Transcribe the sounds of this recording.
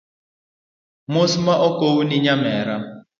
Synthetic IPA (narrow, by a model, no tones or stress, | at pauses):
mosimaʔɔkowuniɲamɛɾa